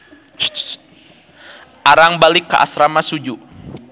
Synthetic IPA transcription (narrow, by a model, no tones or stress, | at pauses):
ʔaɾaŋbalɪkːəʔa̰sɾamasud͡ʒu